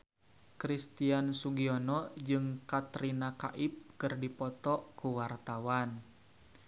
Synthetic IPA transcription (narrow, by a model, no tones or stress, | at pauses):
kɾist̪iansuɡiɔnɔd͡ʒɨŋkat̪ɾinaka̰ʔip̚kɨrdipɔt̪ɔkuwart̪awan